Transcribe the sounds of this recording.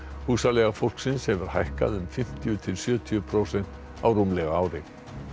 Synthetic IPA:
huːsalɛɣafowlksɪnsːɛmvʏɾ̥hajhka̰ðʏmfɪm̥t̪ijʏt̪ʰɪlsjœːt̪ʰiʏpʰɾowsɛn̥t̪ | awrumlɛɣaaːwɾɪ

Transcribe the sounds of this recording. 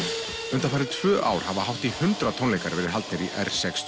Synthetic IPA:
ʏnt̪afajɾɪðt̪ʰv̥ʏːʔa̰ːwɾ̥havaɦawht̪ihʏnt̪ɾat̪ʰɔnlejkaɾvɛːɾɪɾɦalt̪nɪɾiʔɛ̰r̥sɛks

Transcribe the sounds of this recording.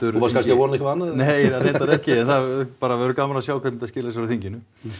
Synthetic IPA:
t̪ʏɾupaskanskɪavɔɾnɛkɪanːanejaɾejnt̪aɾɛhcɪɛnθaðpaːɾaɛɾʏkaːmalasjaːwkʰvɛt̪nɪt̪θascɪːlas̬aɾʏθiɲcɪnʏ

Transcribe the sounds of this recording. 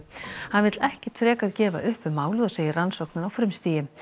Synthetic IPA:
hanvɪt̪lɛhcɪt̪ʰɾɛːkaɾcɛːva̰ʔʏhpʏmaːwlɪðɔseːjɪransowknʏnawfɾʏmst̪iːjɪm

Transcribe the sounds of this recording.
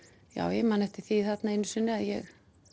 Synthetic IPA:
ja̰ːwjɛmaːnɛft̪ɪ̥θiθat̪naɪnːʏsɪnːɪaðjɛɣ

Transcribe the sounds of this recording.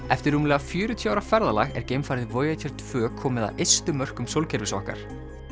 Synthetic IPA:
ɛft̪ɪɾumlɛɣafjʏːɾʏt̪ʰjɔawɾafɛɾðala̰ɣɛ̰ɾ̥cejmfajɾðɪvoːjat̪ʰɛɾ̥t̪ʰv̥œːkʰɔːmɪða̰wʔejst̪ʏmœr̥kʏmsowlcʰɛɾvɪsɔ̰hka̰ɾ̥

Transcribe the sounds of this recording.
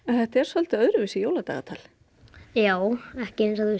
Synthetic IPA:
ɛnθɛht̪aɛɾ̥sœlt̪ɪœðɾʏvɪsɪjowlat̪a̰ɣa̰t̪ʰa̰ːl | jaːwɛhcɪẽnsaðɪ

